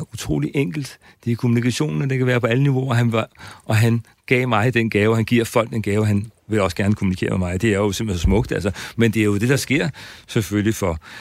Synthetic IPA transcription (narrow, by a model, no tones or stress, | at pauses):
ut͡sʰʁo̰ːliʔeŋ̰ɡ̥l̩d̥ | d̥e̝kʰo̝munikʰæɕo̝̰ːnn̩ɒd̥e̝kʰæʋæːɐpʰɒ̽æləniʋo̝ɒɦænʔɒ̽ɦæn | ɡ̥ɛ̰ːmɑ̈ɪd̥enɡ̥ɛːʊɦænɡ̥iɐ̰fɒ̽l̰ɡ̥̚d̥enɡ̥ɛːʊəɦænʋe̝lɒ̽səɡ̥æɐnəkʰomunikʰe̝̰ɐmemɑ̈ɪd̥e̝æɐjosemb̥lesɒ̽smɔ̽ɡ̥d̥ælsɐmend̥e̝æɐjo̝d̥e̝d̥ɑ̈sɡ̥e̝ɐ̰seføljifɒ